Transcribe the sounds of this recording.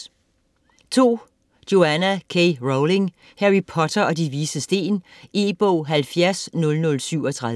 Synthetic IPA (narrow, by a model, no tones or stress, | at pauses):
t͡sʰo̝̰ː | d̥jo̝ænækʰeɪʁoʊle̝ŋ | hæʁipʰɒ̽t͡sʰɐɒ̽diʋiːsəsd̥e̝̰ːnʔeːb̥ɔʊ̰ɦælfjæɐsnɔ̽lnɔ̽lsyʊ̰ɒ̽t͡sʰʁɑð